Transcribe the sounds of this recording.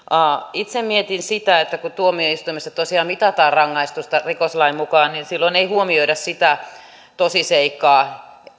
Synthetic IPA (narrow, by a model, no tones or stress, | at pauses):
ɑit̪semmiet̪insit̪æet̪ːækut̪uomioist̪uimest̪ɑt̪osiɑːmmit̪ɑt̪ɑːrrɑŋːɑist̪ust̪ɑrikoslɑimmukɑːnninsilːoineihuomioidɑssit̪æ | t̪osiseikːɑː